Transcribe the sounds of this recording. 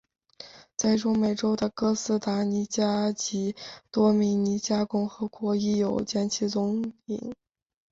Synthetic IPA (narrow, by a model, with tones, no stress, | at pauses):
t͡sa˥˩ɪʈ͡ʂʊ˥ŋme˨˩ɪʈ͡ʂo˥ʊd̪ə˨kɤ˥sɹ̩˥t̪a˧˥ni˧˥t͡ɕja˥t͡ɕi˧˥t̪wɔ˥mi˧˥ŋni˧˥t͡ɕja˥kʊ˥ŋxɤ˧˥kwɔ˧˥i˥˩jo˨˩ʊt͡ɕjɛ˥nt͡ɕʰi˧˥t͡sʊ˧˥ŋḭ˨˩˦ŋ